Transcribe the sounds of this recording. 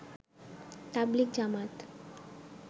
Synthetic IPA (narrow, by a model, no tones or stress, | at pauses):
t̪ablik̚d͡ʑamat̪